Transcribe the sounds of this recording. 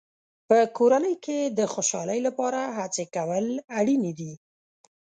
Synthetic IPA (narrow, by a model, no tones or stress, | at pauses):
pəkoɾanəjked̪əxoʃɑ̰ləjlapɑɾaɦat͡sekawəlaɽined̪i